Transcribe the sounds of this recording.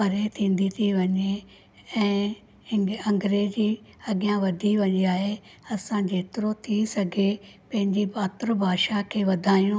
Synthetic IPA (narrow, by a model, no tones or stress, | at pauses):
pɐɾet̪ʰĩːn̆d̪it̪ʰiʋɐɲe | ɛ̃ː | ɐ̃ŋɡɾeːd͡ʑi | ɐɡɪjãʋɐd̪ʱiʋɐɲiaːɦe | ɐsãd͡ʑeːt̪ɪɾot̪ʰisɐɡʱepɐ̃ɦɪ̃ɲd͡ʑibaːt̪ɾəbʱaːʃakʰeːʋɐd̪ʱaːijũ